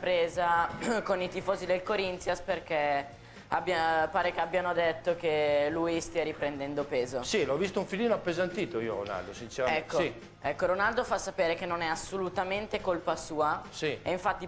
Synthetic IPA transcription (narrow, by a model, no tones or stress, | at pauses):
pɾeːzakonit̪ifɔːzid̪elkoɾint̪sjasperk̟e | abːjapaːɾekeabːjanod̪et̪ːok̟eluːjist̪iaɾipɾend̪ɛnd̪opeːzosilɔvːist̪ouɱfiliːnoapːezant̪iːt̪oiːoɾo̰na̰ld̪osint͡ʃeɾaɛkːoi | ɛkːoɾonald̪ofasːapeːɾekenːonɛasːolut̪ament̪ekolpasuːasieiɱfat̪ːi